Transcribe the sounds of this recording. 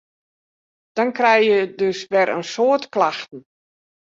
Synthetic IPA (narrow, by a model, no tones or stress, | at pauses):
d̥ɔnkrɛjjədøsʋɛɾʔə̰nsoətklaxtn̩